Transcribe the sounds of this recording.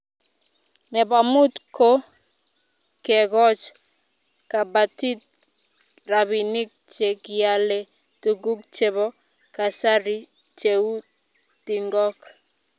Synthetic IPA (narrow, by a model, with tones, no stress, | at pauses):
nɛ˨ba˨mu˦tko˦ | kɛ˨ɡɔ˦t͡ʃ | ka˨ba˨ti˦t̚ | ɾa˨βi˨nɪ˦k̚t͡ʃe˨kɪja˨le˦ | tu˨ɡu˦k̚t͡ʃe˨βɔ˦ | ka˨sa˦ɾi˦ | t͡ʃe˨u˦ | ti˨ŋɡɔ˦k